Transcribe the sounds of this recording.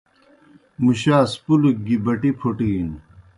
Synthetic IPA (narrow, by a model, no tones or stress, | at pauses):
muɕaːspuluk̚ɡibɐʈipʰoʈiin